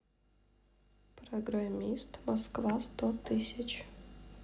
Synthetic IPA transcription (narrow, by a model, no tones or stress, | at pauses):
pɾɐɡɾɐmʲist̪mɐskvast̪ot̪ɨsʲɪt͡ɕ